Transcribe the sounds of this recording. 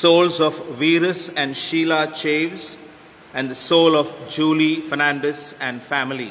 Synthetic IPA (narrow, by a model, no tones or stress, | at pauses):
soːlzɔfʋiːɾəsæ̃ɳɖʃiːlat͡ʃeːʋz | æ̃nd̪əsoːlɔfd͡ʒuːlifənæ̃ɳɖəsɛ̃ɳɖfæmɪlḭ